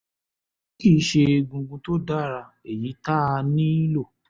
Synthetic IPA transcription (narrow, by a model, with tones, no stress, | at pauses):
kiː˦˨˦ʃe˧ɡũ˧ɡũ˧to˦da˦˨ɾa˧e˨ji˨˦ta˦˧nĩ˦i˦lo˦˨